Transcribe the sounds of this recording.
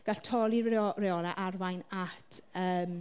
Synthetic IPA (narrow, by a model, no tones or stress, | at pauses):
ɡ̥aɬtʰɔlˠirɛɔnaʔarwajnatʰəːm